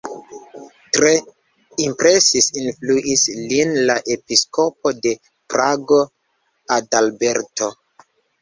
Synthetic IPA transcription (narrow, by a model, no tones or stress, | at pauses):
tɾe̞ | impɾe̞sisinfluʔislinlaʔe̞pisko̞po̞de̞ | pɾaɡo̞ | adalbe̞ɾto̞